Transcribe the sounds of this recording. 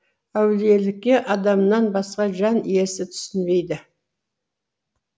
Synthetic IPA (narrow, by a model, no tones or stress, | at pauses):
æwɪlije̞lɪk̚ʲːe̞ʔɑd̪ɑmənɑnbɑsqɑʒɑnie̞ɾsɪt̪ʰʏ̥sɪnbe̞jd̪ɪ